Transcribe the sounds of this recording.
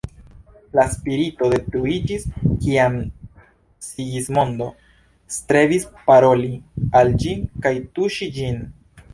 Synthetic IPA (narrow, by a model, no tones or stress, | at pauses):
laspiɾito̞de̞tɾuid͡ʒiskiam | siɡismo̞ndo̞ | stɾe̞vispaɾo̞liald͡ʒinkajtuʃid͡ʒin